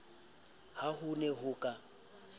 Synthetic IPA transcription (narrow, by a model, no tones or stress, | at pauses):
hahʊnɛɦʊkʼa